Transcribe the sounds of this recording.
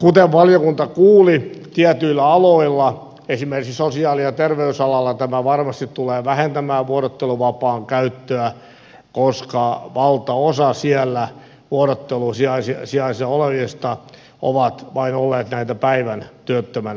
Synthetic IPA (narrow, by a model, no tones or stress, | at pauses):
kut̪eʋʋɑljokunt̪ɑkuːlit̪iæt̪yilːæɑloilːɑ | esimerkiksosiɑːliɑt̪erʋeysɑlɑlːɑt̪æmæʋɑrmɑst̪it̪tuleːʋæhent̪æmæːʋuoɾot̪ːeluʋɑpɑːŋkæyt̪ːøæ | koskɑʋɑlt̪ɑosɑsiælːæ | ʋuoɾot̪ːelusiɑisisiɑisɑoleʋest̪ɑ | o̰ʋɑt̪ʋɑinolːeːt̪næit̪æpæiʋænt̪yøt̪ːømæn